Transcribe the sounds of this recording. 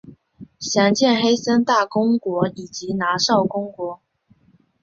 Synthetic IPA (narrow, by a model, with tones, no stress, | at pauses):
ɕjɑ˧˥ŋt͡ɕjɛ˥˩nxe˥ɪsə˥nt̪a˥˩kʊ˥ŋkwɔ˧˥i˨˩t͡ɕi˧˥na˧˥ʂɑ˥˩ʊkʊ˥ŋkwɔ˧˥